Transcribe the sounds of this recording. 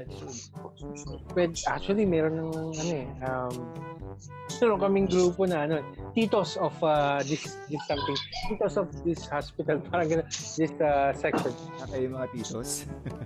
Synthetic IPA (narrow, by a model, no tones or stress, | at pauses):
pɛd̪ʔa̰k̚t͡ʃʊɐlimɛːɾonːɐŋɐŋɐno̞ʔɛʔɐm | nonokɐmɪŋɡɾuːpo̞nɐʔɐnoɛt̪iːt̪osɔfad̪ɪsd̪ɪsːɐmt̪ɪŋt̪iːt̪osɔfd̪ɪshaspɪt̪ɐlpʰaːɾɐŋɡɐnod̪ɪsɐsɛksɔn | ɐkɐjʊmɐŋat̪iːt̪os